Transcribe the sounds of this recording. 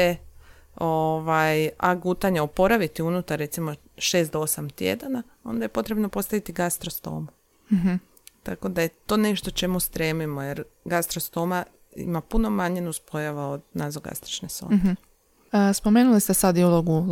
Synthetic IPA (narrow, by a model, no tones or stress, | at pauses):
e | o̞ʋajaɡut̪aɲeopo̞ɾaʋit̪iunut̪aɾːe̞t̪simo̞ | ʃe̞ːst̪d̪oosamt̪jḛd̪ana | o̞̰nd̪aje̞po̞t̪ɾe̞bno̞po̞t̪st̪aʋit̪iɡast̪ɾost̪o̞̰ːm̩ | ɦ̩ | t̪ako̞d̪aje̞t̪o̞ːne̞ʃt̪ot͡ʃe̞must̪ɾeːmimojeɾɡast̪ɾost̪o̞ma | ḭmapuno̞maɲenuspojaʋaod̪nazoɡa̰st̪ɾi̥t͡ʃneso̰ | spome̞ːnulist̪esad̪ioloɡu